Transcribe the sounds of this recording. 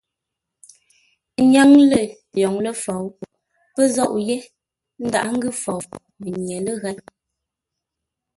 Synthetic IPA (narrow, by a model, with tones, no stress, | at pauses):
ɲa˦ŋlə˦˨ | jɔ˨ŋlə˦fɔ˨w | pə˦zɔ˦˨ʔje˦ | n̩˦da̰˨ʔŋ̩˦ɡʉ˦fɔ˨w | mə˨ɲje˨lə˦ɣa˦n